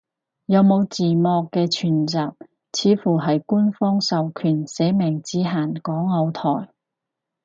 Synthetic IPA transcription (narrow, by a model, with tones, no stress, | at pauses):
jɐ˨˧wmo˨˧wt͡siː˨mɔː˧kːɛː˧t͡ʃʰyː˨˩nt͡saː˨p̚ | t͡sʰiː˨˧fuː˨˩ɦɐ˨jkuː˥nfɔː˥ŋsɐ˨wkʰyː˨˩nsɛː˨˥mɛː˨˩ŋt͡siː˨˥ɦaː˨˩nkɔː˨˥ŋːɐ˨˧wt̪ʰɔː˨˩j